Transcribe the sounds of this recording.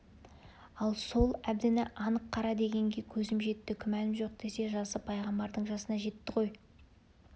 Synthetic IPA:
ɑlˠso̞lˠæbd̪ɪnɪʔɑnəqʰːɑɾɑd̪e̞ɡʲe̞ŋɡʲe̞kʲʰɵzɪmʒe̞t̪ːɪkʲʰʏmænɪmʒo̞q̚d̪̥e̞se̞ʒɑsəpʰɑjʁɑmbɑɾd̪əɴʒɑsənɑʒe̞t̪ːɪqʰo̞j

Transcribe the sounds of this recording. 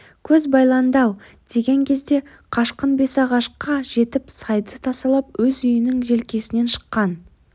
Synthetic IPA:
kʲʰɵzbɑjlˠɑnd̪ɑw | d̪̥e̞ɡʲe̞ŋkʲʰe̞zd̪e̞ | qʰɑʃqənbe̞sɑʁɑʃqɑʒe̞t̪ɪpsɑjd̪ət̪ʰɑsəlˠɑp̚wɵzʏjɪnɪŋʒe̞lkʲe̞sɪne̞nʃə̥qːɑn

